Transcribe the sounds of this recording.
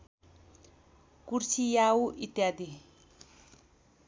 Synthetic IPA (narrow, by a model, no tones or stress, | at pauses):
kursʰijauʔit̪jad̪i